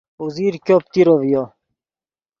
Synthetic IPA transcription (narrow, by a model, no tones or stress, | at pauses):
uziːɾkop̚t̪iɾovijo